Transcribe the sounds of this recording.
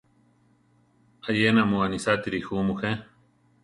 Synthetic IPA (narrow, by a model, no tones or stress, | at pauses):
ajenamuanisat̪iɾixumuxe